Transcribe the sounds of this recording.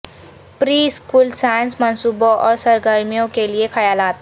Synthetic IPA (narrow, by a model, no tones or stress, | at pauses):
pɾiːskuːlsajənsmənsuːbõʔɔːɾsəɾɡəɾmijõkeliekʰəjaːlaːt̪